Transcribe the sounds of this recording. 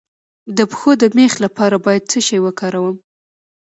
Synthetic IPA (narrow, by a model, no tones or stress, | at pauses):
d̪əpə̥xod̪əmexlapɑɾabɑjad̪̚t͡səʃajwəkɑɾawəm